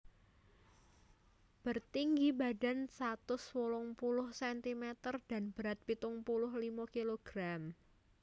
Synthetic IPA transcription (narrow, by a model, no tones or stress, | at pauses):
b̥ərt̪iŋɡibada̤nsat̪ʊswɔlɔŋpulʊhsɛnt̪imɛt̪ərd̥a̤nb̥əɾat̪̚pit̪ʊŋpulʊɦlimokiloɡ̥ɾam